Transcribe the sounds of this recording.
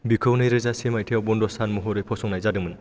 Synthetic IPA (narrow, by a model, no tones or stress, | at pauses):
bikʰɯwnɯjɾɯzasemajtʰijawbɔndɔsanmɔɦɔɾɯjpʰɔsɔŋnajzadɯŋmɯn